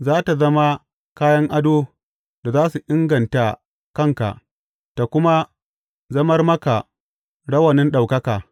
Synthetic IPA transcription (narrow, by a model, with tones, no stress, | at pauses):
zaː˦ta˨zɐ˦ma˦ | kaː˦jɐ˦ŋʔa˦doː˦ | da˨zaː˦su˨ʔɪ˦ŋɡɐ˨nta˨ | kɐ˦˨ŋka̰˨ʔ | ta˨kʷʊ˦ma˦ | zɐ˦mɐ˦rmɐ˦ka˨ | ɽɐ˦wɐ˨nɪ˦nɗa˨wkɐ˦kaː˨